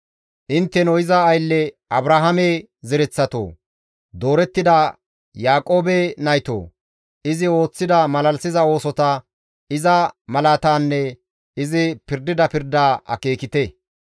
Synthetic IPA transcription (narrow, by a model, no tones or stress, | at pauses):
ʔɪnt̪ːɛnɔjɪzɐːjlːɛ | ɐbɾaɦɐme | zɛɾɛt͡sːɐt̪o̰ː | d̪o̞ːɾɛt̪ːɪd̪ɐ | jaːkʼo̞ːbɛnɐjt̪o̰ː | ɪzɪo̞ːt͡sːɪd̪ɐmɐlɐlsɪzɐo̞ːsɔt̪ɐ | ɪzɐmɐlaːt̪aːnːɛ | ɪzɪpɪɾd̪ɪd̪ɐpɪɾd̪aːʔɐ̰ke̞ːkɪt̪ɛ